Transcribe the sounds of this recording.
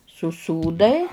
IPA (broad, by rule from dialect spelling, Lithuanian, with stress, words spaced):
sʊˈsuːdɐɪ